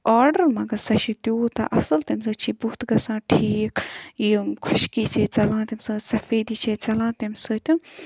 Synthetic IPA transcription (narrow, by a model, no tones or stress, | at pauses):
ɔːɖəɾmɐɡɐsɐʃit̪ʲoːt̪ɐ̰ʔɐsɐlt̪ɐmsɨːt͡ʃʰibuht̪ɡɐsãːʈʰiːkjikʰɔʃkisʲeːt͡sɐlãːt̪imsɨːsɐfeːd̪it͡ʃʰeːt͡sɐlãːt̪emsəːt̪ʲu